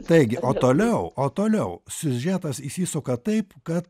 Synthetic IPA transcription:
t̪ɐɪɡʲɪʔoːt̪oːlʲɛʊoːt̪oːlʲɛʊsʲʊʒʲɛt̪ɐsisʲiːsʊkɐt̪ɐɪpkɐt̪

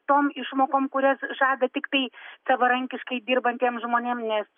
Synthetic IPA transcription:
t̪oːmɪʃmoːkoːmkʊɾʲɛsʒɑːd̪ɐt̪ʲɪkt̪ɐɪsɐʋɐɾɐŋʲkʲɪʃkɐɪd̪ʲiːrbɐnʲt̪ʲiɛmʒmoːnʲeːmnʲɛs

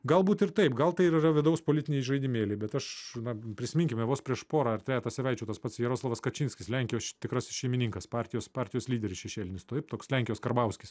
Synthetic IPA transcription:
ɡɐlˠbuːt̪ɪɾt̪ɐɪpɡɐlˠt̪ɐɪiɾɐrɐʋʲɪd̪ɐʊspoːlʲɪt̪ʲɪnʲɛɪɪʒɐɪd̪ʲɪmʲeːlʲɛɪbʲɛt̪ɐʃnɐpʲɾʲɪsʲɪmɪŋʲkʲɪmʲɛʋoːspʲɾʲiɛʃpoːɾɐɐrt̪ʲɾʲæːt̪ɑːsʲɛʋʲɛɪt͡ʃʲɛʊt̪ɐspɐt̪sjɛɾoːslˠɐʋɐskɐt͡ʃʲɪnʲsʲkʲɪslʲæŋʲkʲɪjoːst̪ʲɪkɾɐsʃʲɛɪmʲɪnʲiŋkɐspɑːɾʲt̪ʲɪjoːspɑːɾʲt̪ʲɪjoːslʲiːd̪ʲɛɾʲɪsʃʲɛʃʲeːlʲɪnʲɪst̪ot̪ɪpt̪oːkslʲæŋʲkʲɪjoːskɐrbɐʊsʲkʲɪs

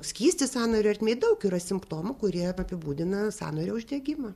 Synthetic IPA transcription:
sʲkʲiːsʲt̪ʲɪsɑːnoːɾʲʊɐɾʲt̪ʲmʲeːtd̪ɐʊkiɾɐsʲɪmpt̪oːmʊkʊɾʲiɛɐpʲɪbuːd̪ʲɪnɐsɑ̰ːnoːɾʲoːʊʒʲd̪ʲɛɡʲɪmɐ

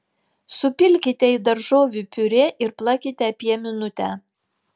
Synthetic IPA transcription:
sʊpʲɪlʲkʲɪt̪ʲɛɪd̪ɐɾʒoːʋʲupʲʊɾʲeʔɪɾplˠɑkʲɪt̪ʲɛpʲiɛmʲɪnʊt̪ʲæː

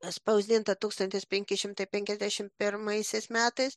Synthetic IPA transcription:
spɐʊzʲd̪ʲɪnt̪ɐt̪uːkst̪ɐnʲt̪ʲɪspʲɛŋʲkʲɪʃʲɪmt̪ɐɪpʲɛŋʲkʲɛzʲd̪ʲæʃʲɪmpʲɪɾmɐɪsʲɛɪsmʲæːt̪ɐɪs

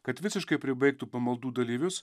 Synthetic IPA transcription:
kɐt̪ʋʲɪsʲɪʃkɐɪpʲɾʲɪbɐɪk̚t̪upɐmɐlˠd̪uːd̪ɐlʲiːʋʲʊs

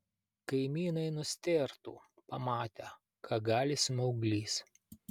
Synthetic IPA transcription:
kɐɪmʲiːnɐɪnʊsʲt̪ʲeːɾt̪ṵːpɐmɑːt̪ʲɛ | kʰɑɡɑːlʲɪsʲmʲɐʊɡlʲiːs

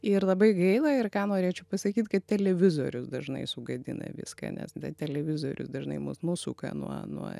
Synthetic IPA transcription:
ɪɾlˠɐbɐɪɡɐɪlˠɐɪrkɑːnoːɾʲeːt͡ʃʲɛʊpɐsɐkʲiːt̪kɐt̪̚tʲɛlʲɛʋʲɪzoːɾʲʊsd̪ɐʒnɐ̰ɪsʊɡɐd̪ʲɪ̰nɐ̰ʋʲɪ̰skɐ̰nʲɛ̰sdʲɛt̪ʲɛlʲɛʋʲɪzoːɾʲʊ̰sd̪ɐʒnɐɪmʊsnʊsʊ̰ːkɐ̰nṵɔnuɔ

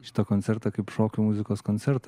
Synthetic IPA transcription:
st̪ɔkɔnt̪sɛɾt̪jakʲipʂɔkʲimuzɨkɔskɔnt̪sɛɾt̪

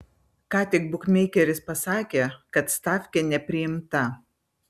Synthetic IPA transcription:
kɑːt̪ʲɪkbʊkmʲɛɪkʲɛɾʲɪspɐsɑːkʲeːkɐt̪st̪ɑːfʲkʲɛnʲɛpʲɾʲɪjɪmt̪ɐ

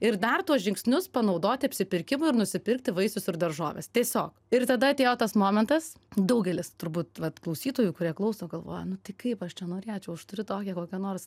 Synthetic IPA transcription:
ɪɾd̪ɐrt̪uɔsʒʲɪŋksʲnʲʊspɐnɐʊd̪oːt̪ʲɪɐpʲsʲɪpʲɪɾʲkʲɪmʊɪɾnʊsʲɪpʲɪrk̚t̪ʲɪʋɐɪsʊsɪrd̪ɐrʒoːʋʲḛst̪ʲiɛsʲoːkɪrt̪ɐd̪ɐɐt̪ʲeːjoːt̪ɐsmoːmʲɛnt̪ɐs | d̪ɐʊɡʲɛlʲɪst̪ʊɾbuːt̪ʋɐt̪klˠɐʊsʲiːt̪oːjuːkʊɾʲiɛklˠɐʊsoːɡɐlˠʋo̰ːjɛnʊt̪ɐɪkɐɪpɐʃt͡ʃʲɛnoːɾʲiɑt͡ʃʲɛʊɐʃt̪ʊɾʲɪt̪oːkʲɛkoːkʲɛnoːrs

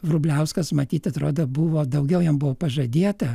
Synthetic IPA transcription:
ʋrʊbʲlʲɛʊskɐsmɐt̪ʲiːt̪ɐt̪ɾoːd̪oːbʊʋoːd̪ɐʊɡʲɛʊjɛmbʊʋoːpɐʒɐd̪ʲeːt̪ɐ

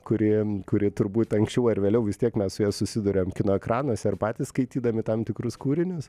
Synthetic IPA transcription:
kʊɾʲɪkʊɾʲɪt̪ʊɾbuːt̪ʲɐŋksʲt͡ʃʲɛʊɐɾʋʲeːlʲɛʊʋʲɪst̪ʲiɛkmʲɛssʊjɛːsʊsʲɪd̪ʊɾʲoːmkʲɪnoːɛkɾɑːnoɔsʲɛɐrpɑːt̪ʲiːskɐɪt̪ʲiːd̪ɐmʲɪt̪ɐmt̪ʲɪkɾʊskuːɾʲɪnʲʊs

